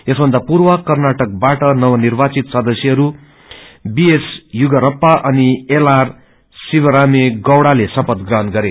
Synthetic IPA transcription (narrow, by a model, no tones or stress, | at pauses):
esbʱʌnd̪apurwʌkʌrnaʈʌk̚baʈʌnʌwʌnirbat͡sit̪sʌd̪ʌsjʌɦʌɾu | biesjuɡʌɾʌpːaʔʌnielar | sibʌɾameɡʌwɽalesʌpʌt̪ɡrʌɦʌnɡʌɾe